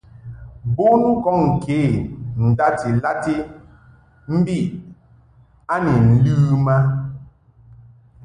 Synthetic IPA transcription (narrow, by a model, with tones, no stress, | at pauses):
bo˦nu˦kɔ˦˨ŋ̩˨kʰe˨˦˨n̩˨da˦ti˨la˦ti˦ | m̩˦bi˦˨ | a˦ni˨n̩˨lʉː˦ma˦